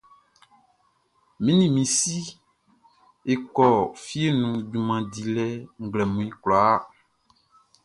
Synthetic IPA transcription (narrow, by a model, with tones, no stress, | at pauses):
mĩ˦nĩ˨mĩ˨si˦ | e˨kɔ˨fi˦e˦nũ˨dũ˨mã˨di˨lɛ˦ŋ̩˨ɡlɛ˨mũ˨ĩ˦klɔ˨a˦